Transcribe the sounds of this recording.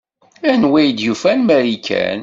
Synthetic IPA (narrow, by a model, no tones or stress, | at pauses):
ænwæjd̪jufænmæɾikʰæ̰n